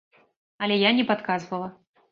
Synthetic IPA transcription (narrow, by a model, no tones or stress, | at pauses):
ɐlʲɛjanʲɛpat̪kazvɐlˠɐ